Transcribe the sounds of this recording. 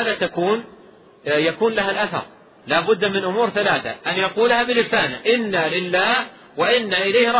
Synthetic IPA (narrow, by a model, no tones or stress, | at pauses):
aːðat̪akuːn | jakuːnlaɦalʔaθɑ̰ɾˤ | laːbʊd̪ːmɪnʔʊmuːɾθalaːθa̰ʔanjaquːlhabɪlɪsaːnɪʔɪnːalɪlːaːh | waʔɪnːaʔɪlajhɾˤɑ